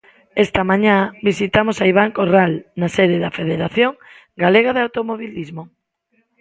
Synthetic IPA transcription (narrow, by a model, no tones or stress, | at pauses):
est̪amãɲabisit̪amosaiβ̞aŋkoralnaseðɪðafeðeɾaθjoŋ | ɡaleɣ̞aðawt̪omoβilizmo